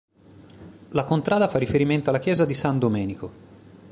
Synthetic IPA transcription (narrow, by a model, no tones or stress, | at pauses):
lakont̪ɾaːd̪afarːifeɾiment̪oalːak̟jɛːzad̪isand̪omɛːniko